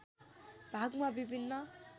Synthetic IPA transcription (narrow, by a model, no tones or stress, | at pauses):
b̥ʱaɡmabibʱinːʌ